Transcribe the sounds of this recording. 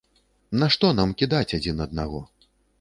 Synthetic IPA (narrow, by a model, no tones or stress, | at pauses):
nɐʂt̪ɔnamkʲid̪at͡sʲad͡zʲinɐd̪̚naɣɔ